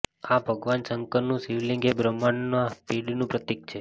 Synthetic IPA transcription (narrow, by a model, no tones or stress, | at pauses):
abʱəɡʋansəŋkənũsiʋlĩŋɡebɾəmaɳnapiɽinũpɾət̪ik̚t͡ʃʰe